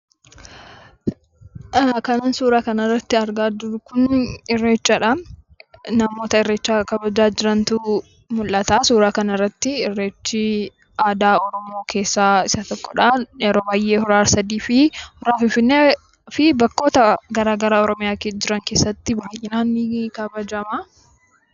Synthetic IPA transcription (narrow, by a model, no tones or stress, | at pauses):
kɐnaːnsuːɾaːkɐnɐrːɐt̪ːɪɐɾɡaːd͡ʒʊɾkʊnɪrːeːt͡ʃːaᶑɐ | nɐmo̞ːt̪ɐɪrːeːt͡ʃːaːkɐbɐd͡ʒaːd͡ʒɪɾɐnt̪ʊ | mʊlʔɐt̪aːsuːɾaːkɐnɐrːɐt̪ːɪɪrːeːt͡ʃːi | ʔaːd̪aːɔɾɔmo̞ːkʰe̞ːsːaːɪsɐt̪ɔkːɔᶑɐɛɾoːbaːjːeːhʊɾaːɾsɐd̪iːfɪhʊɾaːfɪnfɪnːeː | fɪbɐkːo̞ːt̪ɐɡɐɾaːɡɐɾaːɔɾɔmɪjaːked͡ʒɪɾɐŋke̞ːsːɐt̪ːɪbɐajɪnaːnːikɐbɐd͡ʒɐma